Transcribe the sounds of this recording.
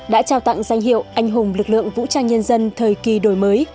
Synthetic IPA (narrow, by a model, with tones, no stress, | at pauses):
ɗa̰ː˧˥t͡ɕaː˧wt̪a̰˧˨ŋza˧jŋ̟ɦḭ˧˨əwʔa˧jŋ̟ɦʊ˨˩ŋ͡mlɨ˨˩k̚lɨ̰˧˨əŋvṵ˧˥t͡ɕaː˧nɲə˧nzə˧nt̪ʰəː˨˩jki˨˩ɗo˨˩jməː˨˦j